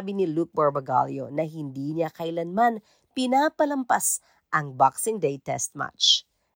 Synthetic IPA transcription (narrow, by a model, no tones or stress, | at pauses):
bɪnɪluk̚bɐɹbɐɡa̰ljo̰nɐɦɪnd̪iːɲakɐjlɐnman | pɪnapɐlɐmpas | ʔɐŋbaksɪŋd̪ejt̪ɛ̰st̪̚ma̰t͡ʃ